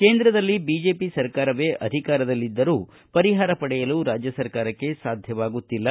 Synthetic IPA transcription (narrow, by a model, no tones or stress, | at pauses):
ke̞ːnd̪ɾɐd̪ɐlːibiːd͡ʒe̞ːpisɐɾkaːɾɐʋeːʔɐd̪ʱikaːɾɐd̪ɐlːid̪ːɐɾuː | pɐɾiɦaːɾɐpɐɽɛjɐluːɾaːd͡ʒjɐsɐɾkaːɾɐkːe̞saːd̪ʱjɐʋaːɡut̪ːilːɐ